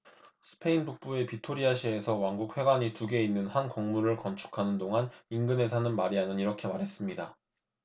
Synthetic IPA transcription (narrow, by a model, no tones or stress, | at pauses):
sʰɯ̥pʰe̞inbuk̚p͈ue̞pitʰoɾiaɕʰie̞sʰʌwaŋɡuk̚ʰwe̞ɡwaɲituɡe̞inːɯnhankʌŋmuɾɯɭkʌnt͡ɕʰu̥kʰanɯndoŋaninɡɯne̞sʰanɯnmaɾianɯniɾʌkʰe̞maɾɦe̞s͈ɯmɲida